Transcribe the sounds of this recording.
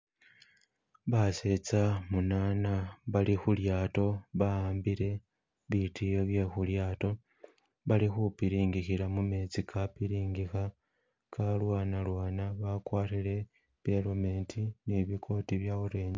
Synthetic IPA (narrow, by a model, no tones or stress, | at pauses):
βaset͡samunaːnaβalixuljaːto̞βaaːmbiɾe̞ | βitijo̞βje̞xuljaːto̞ | βalixupiɾiːŋɡixilamume̞t͡sikʰapiɾiːŋɡixa | kalwaːnalwaːnaβakwaːtile̞ | βje̞lome̞ntʰiniβikʰo̞tiβjauɾe̞ːɲe